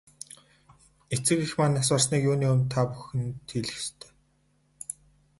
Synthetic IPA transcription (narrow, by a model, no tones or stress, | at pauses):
et͡sɘ̆kixmanas̬ʊːrs̬niːkjuːniːɵmt̪ʰːapu̥xɘ̆nt̪ʰiɮɘ̆xst̪ʰe̥ː